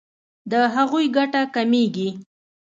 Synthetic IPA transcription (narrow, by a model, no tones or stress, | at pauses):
d̪əɦaɣujɡaʈakameɡi